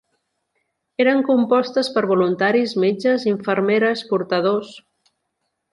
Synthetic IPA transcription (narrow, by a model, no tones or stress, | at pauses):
eɾəŋkumpɔst̪əspəɾβulunt̪aɾizmed͡ʒəziɱfəɾmeɾəspuɾt̪əðos